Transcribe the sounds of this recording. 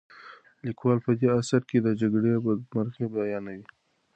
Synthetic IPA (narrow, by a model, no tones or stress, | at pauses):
likwɑlpəd̪easaɾked̪əd͡ʒaɡɽemaɾɣebajɑnawi